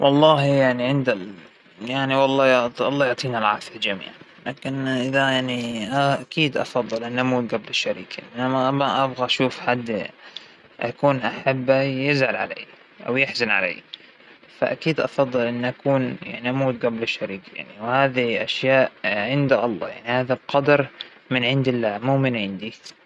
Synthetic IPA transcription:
wʔɑlˤːɑːhjaʕniʕɪnd̪a | jaʕniwɑlˤːɑːjʕt̪ʔɑlˤːɑːjʊʕt̪ˤiːnalʕaːfald͡ʒamḭːʕ | laːkɪnʔɪðajaʕniʔaʔakiːd̪ʔɑ̰fɑðˤːɨlʔɪnːʔamuːt̪̚ɡablɪʃːaɾḭːkanʔnamaʔamaʔabɣaʔaʃuːfħad̪ː | ʔakuːnʔaħabːajɪzʕalʕa̰lḛː | ʔa̰wjɪħzanʕa̰lḛː | fa̰ʔakiːd̪ʔɑ̰fɑðˤːɨlʔɪnːʔakuːnja̰ʕniʔamuːt̪̚ɡablɪʃːaɾiːkja̰ʕniwhaːðiʔaʃjaːʔʕɪnd̪aʔɑlˤːɑ̰ːjaʕnihaːðalqɑd̪ɑɾˤ | mɪnʕɪnd̪ɪlːaːmuːmɪnʕɪnd̪i

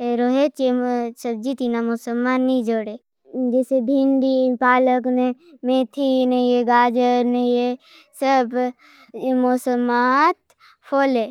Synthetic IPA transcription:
eɾoɦet͡ʃesəb̚d͡ʒit̪inamosəlmaːnːid͡ʒoːɽe | d͡ʒɛːsebʱĩɳɖipaːləknẽmẽːt̪ʰinejeɡaːd͡ʒəɾnəje | səb | mosəmaːt̪̚ | pʰoːle

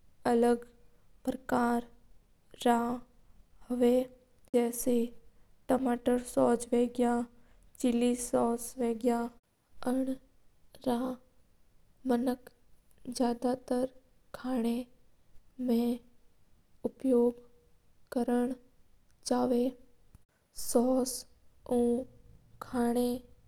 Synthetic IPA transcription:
ələɡ | pɾəkaːɾː | aː | ɦɐʋe | d͡ʒɛːse | ʈəmaːʈəɾsɔːd͡ʒʋeːɡja | t͡ʃɪlisɔːsʋeːɡja | əɳ | ɾaː | mənək | d͡ʒjaːd̪at̪əɾ | kʰaːɽ̃e | mẽ | ʊpjoːɡ | kəɾəɳ̃ | d͡ʒaːʋe | sɔːs | ũːkʰaːɽ̃e

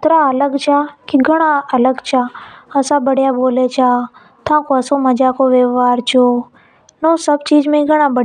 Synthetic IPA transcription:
t̪ɾaələɡt͡ʃʰakiɡʱəɽ̃ãələɡt͡ʃʰaəsãːbəɽjaːboːlet͡ʃʰaː | t̪ʰãːkoəsoməd͡ʒaːkoːʋeʋaːɾt͡ʃʰoː | noːsəb̚t͡ʃiːd͡ʒmẽɡʱəɽ̃ãːbəɽ

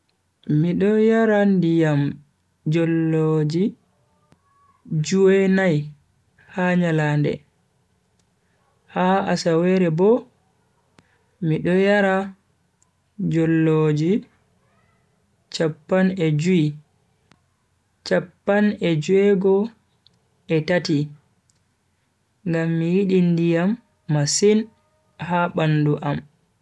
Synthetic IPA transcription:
miɗɔjaɾandijam | d͡ʒɔlːod͡ʒi | d͡ʒuɛnaj | haɲalaːndɛ̰ | haasawɛɾɛbɔ | miɗɔjaɾa | d͡ʒɔlːod͡ʒi | t͡ʃapːanɛd͡ʒui | t͡ʃapːanɛd͡ʒuɛɡɔ | ɛtati | ŋɡamːijiɗindijamː | asin | haɓanduʔam

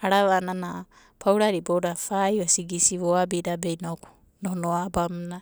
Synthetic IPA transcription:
aɾaβanana | pʰawɾaɾibowɾafajasiɡisiβoabiɾabejnoku̥ | nohnoabamna

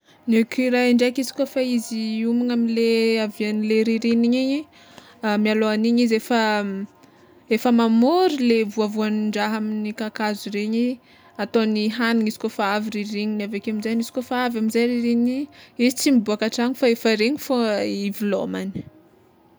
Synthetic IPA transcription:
nekʲiɾaiɳɖ͡ʐakizi̥kofaiziumaŋamileavianileɾiɾiniɲiɲi | mialoaniɲizefə | efəmamoɾilevuavuaniɳɖ͡ʐaɦaminikakazuɾeɲi | at̪oniɦanuŋiz̥i̥kofaaviɾireɲiniavekaminzaɲizi̥kofaavaminzajɾiɾiɲiɲizit͡simibuakaʈ͡ʂaɲifaefəɾeɲifoivilo̰mani̥

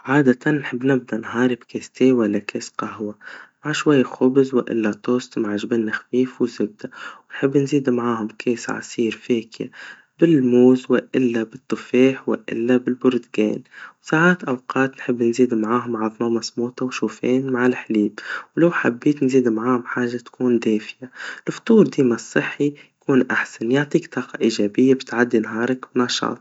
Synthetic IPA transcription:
ʕaːd̪at̪ʰanːħɪbːnɪb̚d̪anɦɑːɾɪbkʰeːst̪eːwalːakʰeːsqahwamaʕʃwajːxʊbzwɪʔɪ̰lːat̪oːst̪maʕʒbeːnːɪxfiːfwzʊb̚d̪awɪnħɪbːnziːd̪mʕaːhʊmkʰeːsʕɑ̰siːɾfeːkja̰ | bɪlmuːzwɪʔɪlːabɪt̪ˤːɨfeːħwɪ̰ʔɪ̰lːabɪlbʊɾd̪ɡḛːnwsaːʕaːt̪ʔawqɑːt̪nħɪbːnziːd̪mʕaːɦʊmʕɑðˤmɑmasmuːt̪ɑwʃuːfeːnmaʕalħliːbwlawħabːiːt̪nziːd̪mʕaːhʊmħaːʒːat̪kuːnd̪eːfɪjalft̪ˤuːɾd̪iːmasˤːɨħːijjkuːnʔaħsanjaʕt̪ˤiːkt̪ʰˤɑːqɑʔiːʒaːbɪjːabɪt̪ʕad̪ːinɦɑːɾˤɑknaʃɑ̰ːt̪ˤ

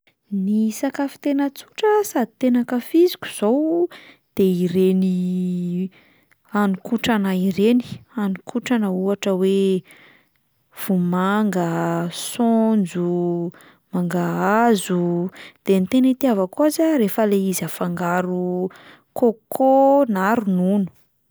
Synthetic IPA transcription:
nisakafi̥t̪enət͡su̥ʈ͡ʂəsad̪it̪enakəfizi̥kʲu̥z̥ow | d̪̥eiɾeni | anikuʈ͡ʂanaiɾeni̥anikʰuʈ͡ʂanəuaʈ͡ʂəwe | v̥umaŋɡəsond͡zu | maŋɡaazud̪̥enit̪enit̪iavakuazaɾefəleizafaŋɡaɾu | kokʰonaɾununu̥

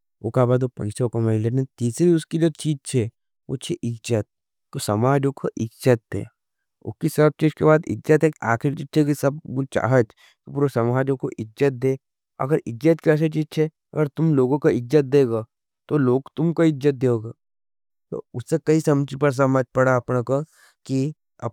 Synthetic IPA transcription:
oːkabaːd̪opɐ̰̃nsokomallekĩnt̪iːsɾiʊskid͡ʒoːt͡ʃiːd͡ʒt͡ʃʰe | ʋo̰t͡ʃʰeʔɪd͡ʒzət̪̚ | kosɐmaːd͡ʒokʰoʔɪd͡ʒzət̪ɦḛː | ʊ̰kisɐb̚t͡ʃiːd͡ʒkebaːd̪ɪ̰d͡ʒzət̪ɦekaːkʰɪɾt͡ʃit͡ʃʰek̬isɐb̚ut͡ʃa̰ːɦət̪ | kipuːɾosɐmaːd͡ʒõkoʔɪd͡ʒzət̪̚d̪eː | ɐ̰ɡəɾɪd͡ʒət̪kiɐs̬et͡ʃiːd͡ʒt͡ʃʰe | ɐ̰ɡəɾt̪ʊmloːɡõkoɪd͡ʒd͡ʒət̪̚d̪eːɡaː | t̪oloːɡt̪ʊmkoɪd͡ʒət̪̚d̪eoːɡaː | t̪o̰ʊsːekɐisɐmd͡ʒipɐɽs̬ɐmaːd͡ʒpɐɽaɐpnako | ki | ɐ̰

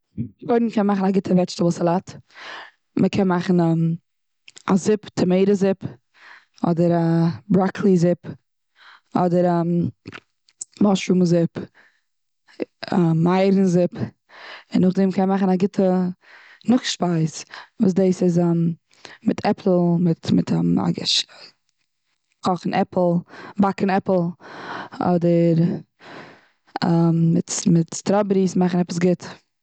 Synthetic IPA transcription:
bɔɪdnmkʰɛnmaχn̩aɡɪtʰəvɛʃtəblˠsalˠat | məkʰɛnmaχn̩ɛm | azɪptʰəmeɪɾəzɪp | ɔ̰dəɾabɾakʰlˠizɪp | ɔdəɾɛm | mɔʃɾumzɪp | ɛːaɪɾn̩zɪp | ɪnʊχdɛmkʰɛnmaχənaɡɪtʰə | nʊχʃpaɪsvuːs̬deɪsɪzɛm | mɪtʰɛpʰl̩ˠmɪtmɪtʰːa̰ɡʃ | kɔχn̩ʔɛpl̩ˠbakənɛpl̩ˠ | ɔ̰dəɾ | ammɪtmɪtstɾɔbɾismaχən̩ɛpəsɡɪt

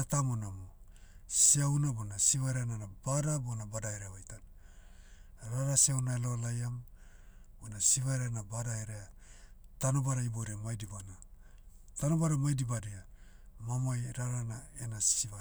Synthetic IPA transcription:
atamonamo | siawnabonasiβaɾeananabadabonabadaeɾeβajtan | ɾaɾasiawnaelo̞lajam | bonasiβaɾenabadaeɾea | tanobaɾaiboɾeamajdibana | tanobaɾamajdibadea | mamajɾaɾanaenasiva

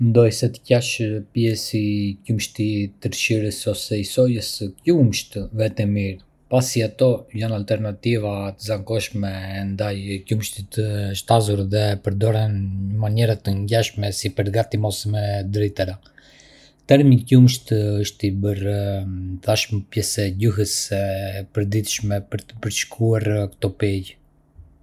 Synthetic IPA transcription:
mɛnd̪ɔjsɛt̪ə̥caʃpjɛsicumʃt̪it̪əɾʃiɾəsɔsɛisɔjəskumʃt̪vɛt̪ɛmiɾ | pasiat̪ɔjanalt̪ɛɾnat̪ivat̪əzaŋkɔʃmɛːnd̪ajcumʃt̪it̪əʃt̪azuɾðɛpəɾd̪ɔɾɛnɲəmaɲɛɾat̪əɲɟaʃmɛsipəɾɡat̪imɔsmɛd̪ɾɛt̪əɾa | t̪ɛɾmicumʃt̪əʃt̪ibəɾ | θaʃmɛpjɛsɛɟuɦəsɛpəɾd̪iθʃmɛpəɾt̪ə̥pəɾt͡ʃkʰuaɾkə̥t̪ɔpɛj

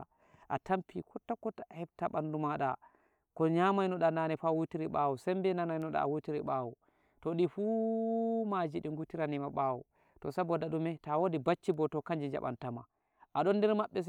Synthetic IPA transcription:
ʔatampikʰɔtːakːɔtahɛb̚taɓandumaɗa | kɔɲamajnɔɗananɛfawutiɾiɓawusɛmbɛnanajnɔɗa̰a̰wutiɾiɓawu | tɔɗifu | mad͡ʒiɗiŋɡutiɾanimaɓawṵ | tɔsabɔdaɗumɛtawodibat͡ʃːibɔtɔkaɲd͡ʒid͡ʒa̰ɓa̰ntama̰ | ʔaɗɔndɛɾmaɓːɛs

